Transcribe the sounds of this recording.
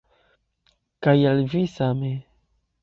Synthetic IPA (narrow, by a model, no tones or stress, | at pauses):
kajalvisame